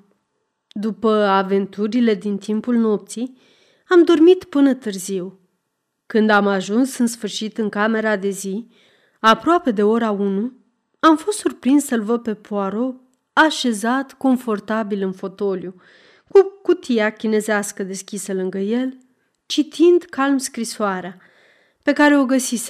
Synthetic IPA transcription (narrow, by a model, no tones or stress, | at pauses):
d̪upəave̞nt̪uɾile̞d̪int̪ʰimpulno̞p̚t̪sij | amd̪o̞rmit̪pɨnət̪ɨrziw | kɨnd̪amaʒunsɨnsfɨrʃit̪ɨŋkame̞ɾad̪e̞zi | apɾoape̞d̪e̞o̞ɾaunu | amfo̞st̪surpɾinssəlvəpe̞pʰoaɾo̞ | aʃe̞zat̪ko̞ɱfo̞rt̪abilɨnfo̞t̪o̞lju | kukut̪ijakʲine̞zeaskəd̪e̞skʲisəlɨŋɡəje̞l | t͡ʃit̪ʰind̪kalmskɾisoaɾea | pe̞kaɾe̞o̞ɡəsise